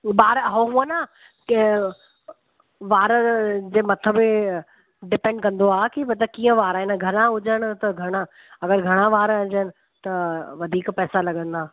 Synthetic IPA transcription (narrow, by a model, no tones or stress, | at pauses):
ɓaːɾɦoɦũə̃na | ʋaːɾəd͡ʑeːmɐt̪ʰəbɪ | ɖɪpẽɳɖkɐ̃nd̪oaːkibɐt̪ɐkiːə̃ʋaːɾaːɪnɡʱɐnãʊd͡ʑəɽ̃ʊ̆t̪ɐɡʱɐɽ̃ã | ɐɡəɾɡʱɐɽ̃ãʋaːɾɐ̃d͡ʑənɪ̆ | t̪ɐʋɐd̪ʱiːkpɛːsalɐɠə̃nd̪aː